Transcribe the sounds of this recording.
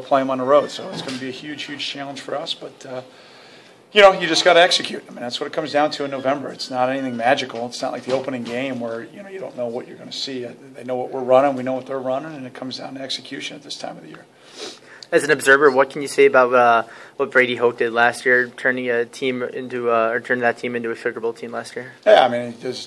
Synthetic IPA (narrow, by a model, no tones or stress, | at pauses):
pʰl̥eɪɨ̃mə̃nðəɹoʊd̥soʊɨtsɡ̥ʌnɨbiɨhjʉdʒ̥hjʉd̥ʒ̥t͡ʃʰælˠə̃nʒ̥fə˞ʌsb̥ʌtʌ | jɨnoʊjɨd͡ʒʌsɡ̥ɑɾɨɛksɨkʰj̥ʉt̪̚ðə̃mɨ̃nðætswʌɾɨt̚kʰʌ̃mzdãʊ̃ntʰɨɨ̃nːoʊvɛ̃mbə˞ɨtsnəɾɛniθɪ̃ŋmæd͡ʒɨkl̩ˠətsnə̰ʔlʔaɪk̚ðioʊpənɪ̃ŋɡẽɪ̃mwə˞jɨnoʊjɨɾõʊ̃nːoʊwʌt͡ʃə˞ɡʌnɨsi | ðeɪnoʊwʌʔwɪɹɹʌ̃nɪ̃ŋwinoʊwʌt̪ðə˞ɹʌnɪ̃ŋɨ̃nɨt̚kʰʌ̃mzdãʊ̃ntɛksɨkʰj̥ʉʃɨ̃nɨt̪̚ðɪstʰã̰ɪ̃mʌvðɨjɪ̰ɹ | ɨzɨ̃n̩ɨbzɜ˞və˞wʌt̚kʰn̩jɨseɪɨbaʊt̚ʌwʌt̚b̥ɹeɪɾiɦoʊk̚d̥ɨdˡlæst̚jɪɹtʰɜ̃˞nɪ̃ŋɨtʰĩmɪ̰̃ntʉʌə˞tʰɜ̃˞nɪ̃ŋðɨtʰĩmɪ̃ntʉɨfɪɡə˞bl̩ˠtʰĩmlæst̚jɪɹjæa̰ɪmĩnðɪz̥